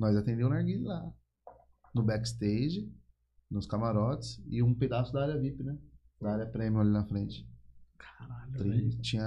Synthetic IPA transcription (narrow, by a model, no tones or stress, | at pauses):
nɔjzat̪ẽnd̪ẽmʊ̃naɾɡilʊla | nʊbɛkɪ̥st̪ejd͡ʒɪ | nʊskamaɾɔt͡ʃɪ̥sɪũped̪asʊd̪aaɾjɐvipɪnɛ | d̪ɐaɾʲjɐpɾẽmiʊalinɐfɾẽt͡ʃɪ̥kʰḁɾakt̪ɾĩt͡ʃĩɲɐ